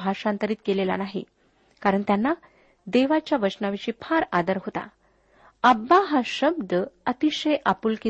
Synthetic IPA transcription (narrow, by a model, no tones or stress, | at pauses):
bʱaʂãnt̪əɾiːt̪̚kelela̰naɦḭ | kaɾəɳt̪janːa | d̪eʋat͡ɕjaʋət͡ɕnaʋiɕiːpʰaɾad̪əɾɦot̪a̰ | əbːaɦaɕəb̚d̪əət̪iɕəjʔapuːlki